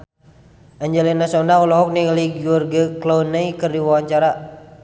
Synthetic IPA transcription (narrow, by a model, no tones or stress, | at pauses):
ʔaɲd͡ʒɛlinasonaulɔɦɔk̚niliɡiurɡəklownaikərdiwawaɲt͡ʃaɾa